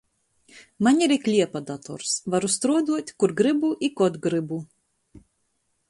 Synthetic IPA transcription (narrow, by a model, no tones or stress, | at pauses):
manʲiɾiklʲiɛpad̪at̪ɔ̰ɾsvaɾust̪ɾuɔd̪uɔt̪ʲkuɾɡɾɨbuʔikɔt̪ɡɾɨbu